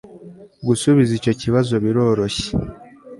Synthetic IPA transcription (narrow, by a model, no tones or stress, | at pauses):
ɡusuβizico̞ciβazo̞βiɾo̞ːɾo̞çe̥